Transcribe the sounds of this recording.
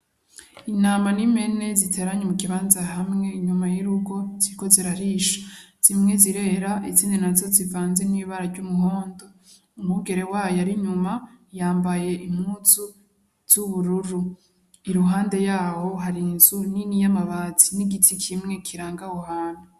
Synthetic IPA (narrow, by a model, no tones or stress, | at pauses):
inaːmanime̞ne̞zitʰe̞ːɾaɲemukiβaːnzaɦamŋe̞iɲumajiɾuɡo̞ziko̞zeɾaɾiʃḁz̥imŋe̞ziɾe̞ɾaʔit͡siːndinazo̞zivaːnze̞niːβaɾaɾɟumuho̞ːndo̞ | umuɡe̞ɾe̞wajaɾiɲumajaːmbaje̞ʔimuːt͡su | z̥uβuɾuɾu | iɾuɦaːnde̞jaːho̞ɦaɾinzuninijamaβat͡siniɡitʰikʰimŋe̞kʰiɾaːŋɡahohaːna